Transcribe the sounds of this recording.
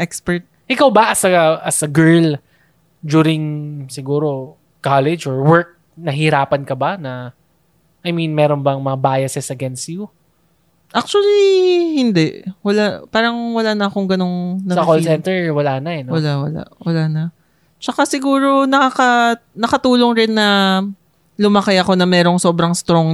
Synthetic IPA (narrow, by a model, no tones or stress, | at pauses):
ʔɛkspɛɹt̪̚ʔɪkawbɐʔɐsɐɐsɐɡɛɹl | d͡ʒ̪uːɾɪŋsɪɡuːɾo̞ | kalɛd͡ʒɔɹwɛɹk̚ | nɐɦɪɾaːpɐnkɐbanɐ | ʔɐjmĩnmɛːɾonbɐŋmɐŋabaːjɐsɛsɐɡɛnst̪ju | ʔak̚t͡ʃʊɐlihɪnd̪ɛʔwɐlapaːɾɐŋwɐlanɐɐkoŋɡɐno̞ŋnɐsɐkolsɛnt̪ɛɹwɐlaːnɐɛnwɐlawɐla̰ʔwɐlaːnɐ | t͡ʃɐkasɪɡuːɾo̞nɐkakɐnɐkɐt̪uːloŋɾɪnːɐ | lʊmɐkɪjɐko̞nɐmɛːɾo̞ŋso̞bɾɐŋst̪ɾoŋ